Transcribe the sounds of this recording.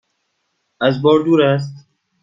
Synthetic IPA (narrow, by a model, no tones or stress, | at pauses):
æzbɔːɾd̪uːɾæs̬t̪